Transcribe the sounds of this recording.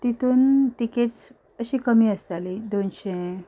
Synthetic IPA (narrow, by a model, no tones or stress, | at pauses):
t̪it̪ʰuːnʈikeʈs | əɕiːkəmiːəst̪alid̪onɕe